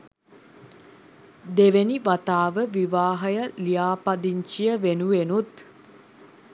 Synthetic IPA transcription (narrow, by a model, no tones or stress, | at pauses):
d̪eʋeniʋat̪aːʋəʋiʋaːɦɐjəlijaːpad̪iɲt͡ʃijəʋenuʋenut̪